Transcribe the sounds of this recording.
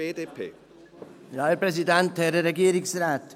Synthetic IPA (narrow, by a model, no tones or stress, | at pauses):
eːdeːpʰḛː | jɑːæɾpɾɛsɪd̪ɛnt̪hæɾəɾɛɡeːɾɪŋsɾæːt̪